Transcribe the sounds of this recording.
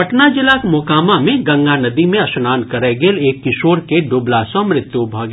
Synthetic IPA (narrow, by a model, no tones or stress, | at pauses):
pɐʈnad͡ʒɪlakmoːkaːmamẽɡɐ̃ŋɡanɐd̪imẽɐsnaːnkɐɾeɡeːleːkːɪʃoːɾkeɖʊːblaːsõmɾɪt̪jubʱaːɡ